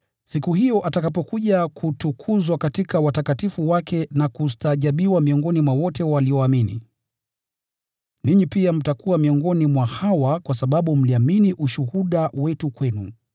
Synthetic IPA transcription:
sikuɦijɔʔatakap̬ɔkuʄakʰutukʰuzwakatikawatakatifuwakʰɛnakustaːʄaɓiwamiɔŋɡɔnimwawɔtɛwaliɔaminḭ | niɲipiam̩takuamiɔŋɡɔnimwahawakwasaɓaɓum̩liaminiʔuʃuhuɗawɛtukwɛnu

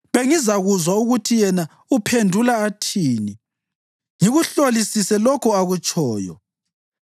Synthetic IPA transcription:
βeŋizaɣuzwauɣutʰijɛna | upʰendʱulaːtʰiːni | ŋiɣuɬolisisɛlɔkʰɔaɣut͡ʃʼʰɔːjɔ̰

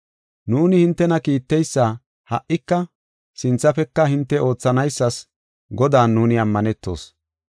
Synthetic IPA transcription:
nuːnɪhɪnt̪ːɛnɐkiːt̪ːɛjsːaː | hɐ̰ʔːɪkːɐ | sɪnt͡sːɐfɛkːɐhɪnt̪ːɛʔo̞ːt͡sːɐnɐjsːɐs | ɡɔd̪aːnːuːnɪɐmːɐnɛt̪ːo̞̰ːs

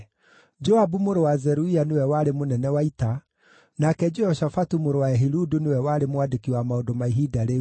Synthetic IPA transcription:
d͡ʒɔabumoɾowazɛɾuianewɛwaɾemonɛnɛwaita | nakɛd͡ʒɛɔʃafatumoɾowaɛɦiɾudunewɛwaːɾemwadekiwamaodɔmaiɦidaɾe

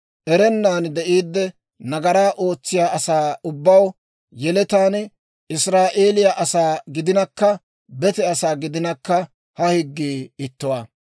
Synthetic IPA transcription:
ʔɛɾɛnːaːnd̪ɛʔiːd̪ːɛ | nɐɡɐɾaːʔo̞ːt͡sːɪjaːʔɐsaːʊbːɐw | jɛlɛt̪aːn | ɪsɾaːʔe̞ːlɪjɐʔɐsaːɡɪd̪ɪnɐkːɐ | bɛt̪ɛɐsaːɡɪd̪ɪnɐkːɐ | hɐhɪɡːiːɪt̪ːʊwaː

